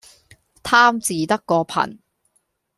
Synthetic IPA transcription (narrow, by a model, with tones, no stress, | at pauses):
t̪ʰaː˥mt͡siː˨˧t̪ɐ˥kːɔː˧pʰɐ̰˨˩n